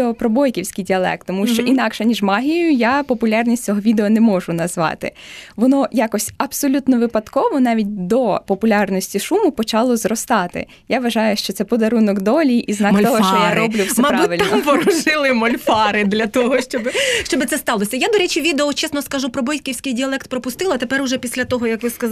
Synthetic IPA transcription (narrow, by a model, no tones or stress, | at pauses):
eɔpɾɔbɔjkʲiwsʲkijdʲiɐlˠɛ̰k̚t̪ːɔmuʃt͡ʃɔʔinɑkʃɛnʲiʒmɑɦʲijjʊjapɔpʊlʲɑrnʲisʲtʲt͡sʲɔɦɔʋʲid̪eɔnɛmɔʒʊnɐzʋɑ̰t̪ɪ̰ʋɔnɔjakɔsʲɐbsɔlʲut̪nɔʋɪpɐd̪kɔʋɔnɑʋʲitʲd̪ɔpɔpʊlʲɑrnɔsʲtʲiʃumʊpɔt͡ʃɑlˠɔzrɔst̪ɑt̪ɪ̰ | jaʋɐʒɑjʊʃt͡ʃɔt̪sɛpɔd̪ɐɾunɔɡd̪ɔlʲiʔiznɑkkt̪ɔɦɔʃt͡ʃɔjaɾɔblʲʊfsɛmɐpbuʋɪlʲpɔɾʊʒɪlˠɪmɔlʲfɑɾɪd̪lʲɐt̪ɔɦɔʃt͡ʃɔbɪʃt͡ʃɔbɪt̪sɛst̪ɑlˠɔsʲɐjad̪ɔɾɛt͡ʃiʋʲid̪eɔt͡ʃɛsnɔskɐʒupɾɔbɔjʲkʲiwsʲkɪjdʲiɐlˠɛk̚t̪̚pɾɔpʊst̪ɪlˠɐt̪epɛɾʊʒɛpʲisʲlʲɐt̪ɔɦɔjɐkʋɪskɐ